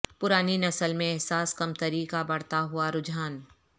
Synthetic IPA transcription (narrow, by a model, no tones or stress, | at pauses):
pʊɾaːninɐsəlmẽɛɦsaːskɐmt̪ɐɾiːkabɐɽ̤t̪aɦʊaɾʊd͡ʒaːn